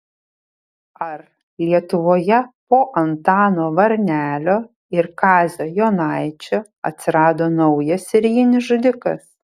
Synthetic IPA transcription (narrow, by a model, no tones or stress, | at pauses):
ɐɾ | lʲiɛt̪ʊʋoːjɛpoːʔɐnt̪ɑːnoːʋɐɾʲnʲæːlʲoː | ɪɾkɑːzʲoːjoːnɑɪt͡ʃʲo | ɐ̰t̪ʲsʲɪɾɑːd̪oːnɒʊjɛsɪɾʲjɪnʲɪsʒʊd̪ʲɪkɐ̰s